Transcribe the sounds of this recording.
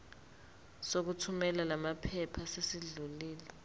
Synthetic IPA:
sok̬utʰumɛlalamapʰɛpʰasesiɮuliːlɛ

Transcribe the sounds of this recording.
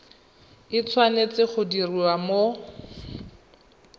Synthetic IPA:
ɪt͡sʰwanet͡sɪχʊdiriwamo

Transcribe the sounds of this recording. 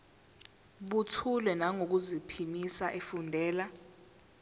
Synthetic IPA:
ɓutʰulɛnaŋok̬uzipʰimisaʔefundʱɛːla

